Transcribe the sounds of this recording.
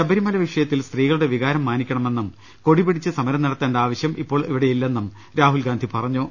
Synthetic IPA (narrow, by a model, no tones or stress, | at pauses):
t͡ɕɐbɐɾimɐlɐʋiʂɐjɐt̪ːilst̪riːɣɐɭuɽe̞ʋiɣaːɾɐmːaːnikʲːɐɳɐme̞nːum | ko̞ɽipiɽit͡ɕːɨsɐmɐɾɐmnɐɽɐt̪ːeːɳɖaːʋɐɕjɐmʔipːo̞ːɭiʋiɽejilːe̞nːum | ɾaːɦulɡaːnd̪ʱipɐrɐɲːoː